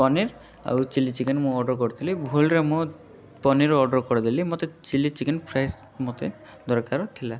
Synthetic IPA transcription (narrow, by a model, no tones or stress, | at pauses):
pɔniɾ | a̰wt͡ʃilit͡ʃikenmũɔɖɔɾkɔɾit̪ʰilibʱulɾemũ | pɔniɾɔɖɔɾkɔɽid̪ilimɔt̪et͡ʃilit͡ʃikenpʰɾas | mɔt̪e | d̪ɔɾkaɾɔt̪ʰila